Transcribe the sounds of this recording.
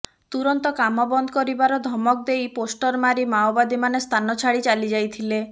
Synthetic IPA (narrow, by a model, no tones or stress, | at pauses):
t̪uɾɔnt̪ɔkamɔbɔnd̪ʱɔkɔɾibaɾɔd̪ʱɔmɔk̚d̪ejposʈɔɾmaɾimaobad̪imanest̪ʰanɔt͡ʃʰaɽit͡ʃalid͡ʒajt̪ʰile